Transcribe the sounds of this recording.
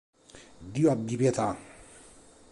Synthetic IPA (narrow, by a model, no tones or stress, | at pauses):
d̪iwabibet̪ʰa